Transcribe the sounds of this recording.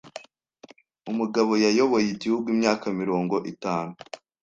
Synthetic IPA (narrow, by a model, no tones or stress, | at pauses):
umuɡaβo̞jajo̞βo̞jeɟihuɡwimɲaːkamiɾo̞ːŋɡo̞ʔitaːnu